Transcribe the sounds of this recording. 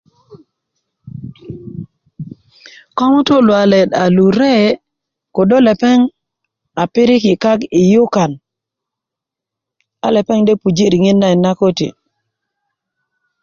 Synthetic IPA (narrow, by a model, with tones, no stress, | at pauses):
kɔ˦ŋu˦to˦lwa˨lɛ˨da˨lu˨ɾɛ˦ | ko˨do˦lɛ˨pɛ˦ŋ | a˨pɪ˦ɾi˦kɪ˨ka˦ki˨ju˦ka˨n | a̰˨lɛ˨pɛ˦ŋde˦pu˨d͡ʒi˦ɾi˨ŋi˦nːa˦˨i˨na˦ko˦tḭ˨